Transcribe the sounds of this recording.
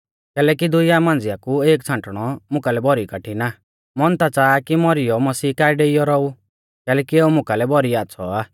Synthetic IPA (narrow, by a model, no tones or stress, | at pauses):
kɛːlɛkid̪ʊjamãːnd͡zɪjakueːkt͡sʰãɳʈɽ̃ɔmʊ̃kalɛbʱɔɾikaʈʰina | mɔnt̪at͡saːkimɔɾɪjɔmɐsiːkaːiɖeijɔɾɔu | kɛːlɛːkieːumʊ̃kalɛbʱɔɾiat͡sʰɔa